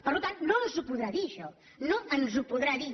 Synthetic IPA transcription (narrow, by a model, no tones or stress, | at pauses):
pəɾlut̪annonzupuðɾaðiəʃɔ | noənzupuðɾaði